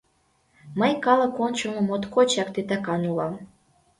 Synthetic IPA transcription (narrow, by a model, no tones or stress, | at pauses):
məjkɑlɤ̆kont͡ɕunə̆mot̪kot͡ɕɑk̚t̪et̪ɑkɑnulɑm